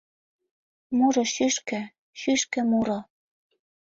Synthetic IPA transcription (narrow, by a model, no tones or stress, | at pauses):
muɾɤ̆ʃyʃkɘ̆ | ʃyʃkɘ̆muɾɤ̆